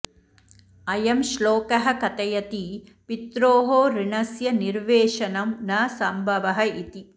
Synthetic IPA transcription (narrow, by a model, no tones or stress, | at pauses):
ɐjɐmʃloːkɐɦɐ̆kɐt̪ɐjɐt̪ipit̪ɾoːɦoːɾiɳɐsjɐniɾʋeːʂɐnɐmnɐːsɐmbʱɐʋɐɦɐit̪i